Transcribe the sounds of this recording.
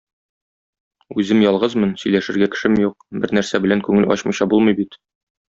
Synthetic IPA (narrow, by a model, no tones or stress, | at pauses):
ʉzɘmjɒlˠʁɤzmɤnsɵ̆jlæʃɘ̆ɾɡækɘ̆ʃɘmjuq̚bɘɾnæɾsæbɘ̆læŋkʉŋɘlɒ̰ɕmɤ̆jɕɑbulˠmɤjbit̪